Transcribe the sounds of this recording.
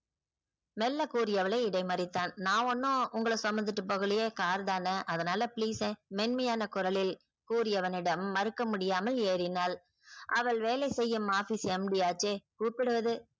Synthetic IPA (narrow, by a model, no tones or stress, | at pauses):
mɛlːɐkuːɾɪjɐʋɐlɐɪɪɽɐɪmɐɾɪt̪ːaːnnãːɔnːõʊŋɡɐɭɐsɐmɐnd̪ɯʈːɯpːoɣɯlɪjeːkaːɾðaːnɐʔɐðɐnaːlɐpɪliːsẽmɛnmɐjaːnɐkʊɾɐlɪl | kuːɾɪjɐʋɐnɪɽɐmːɐɾɯkːɐmʊɽɪjaːmɐleːɾɪnaːl | ʔɐʋɐɭʋeːlɐɪsɛjːɯmaːfiːsɛmɖiaːt͡ʃeːkuːpːɪɽɯʋɐðɯ